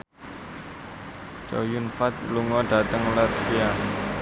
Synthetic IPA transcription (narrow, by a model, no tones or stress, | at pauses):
t͡ʃa̰wjunfat̪̚luŋɔɖ̥ä̤t̪əŋlətfia